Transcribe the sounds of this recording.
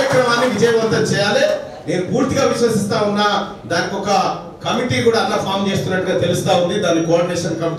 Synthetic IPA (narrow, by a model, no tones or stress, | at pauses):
ɐkɾɐmaːnːiʋid͡ʒɐjɐmɐnt̪ɐnt͡ʃɛːjaːleː | ne̞ːnupuːɾt̪iɡaːʋiʃʋɐsist̪aːunːaː | d̪aːnikɔkɐ | kɐmiʈiːkuːɽaːk̪ːɐɽɐpʰaːɾmt͡ʃe̞ːst̪unːɐʈːuɡaːt̪e̞lust̪aːund̪id̪aːnːikoːɾɖineːʂɐnkɐmiʈ